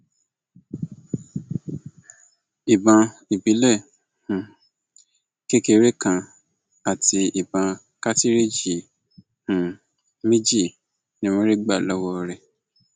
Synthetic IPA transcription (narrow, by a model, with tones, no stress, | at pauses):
i˨bã˧i˨bi˨˦lɛ˦˨ | hũ˨ | ke˦ke˧ɾe˦kã˧ | a˨tʰi˧i˨bã˨˧ | ka˦ti˦ɾe˦d͡ʒi˨ | hũ˨ | mi˦d͡ʒi˦˨ | nĩ˦w̃ɔ̃˦ɾi˦ɡ͡ba˦˨lɔ˦wɔ˧ɾɛ˨